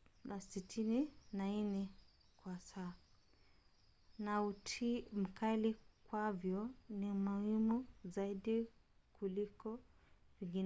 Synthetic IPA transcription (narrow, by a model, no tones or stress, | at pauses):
nasitʰininainɛ | kwasaː | nautim̩kʰalikwavjɔnimuhimuzaiɗikulikɔviŋɡinɛ